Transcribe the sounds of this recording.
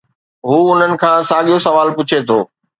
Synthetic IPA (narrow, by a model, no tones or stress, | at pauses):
ɦuːʊn̤ənɪ̆kʰãːsaːɠijosɐʋaːlpʊt͡ɕʰet̪ʰoː